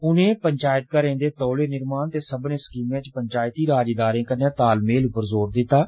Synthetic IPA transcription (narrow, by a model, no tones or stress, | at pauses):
ʊnẽːpəɲt͡ʃaːjət̪kəɾẽːd̪eːt̪ɔːleːnɪɾmaːnt̪eːsəbneːskiːmjãːt͡ʃpəɲt͡ʃaːjt̪iːɾaːd͡ʒeːd̪aːɾẽːkənãːt̪aːlmeːlʊpːəɾzoːɾd̪ɪt̪ːaː